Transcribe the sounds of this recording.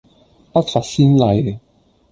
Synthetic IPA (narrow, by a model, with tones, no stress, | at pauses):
pɐ˥t̚fɐ˨t̚siː˥nlɐ˨˧˩j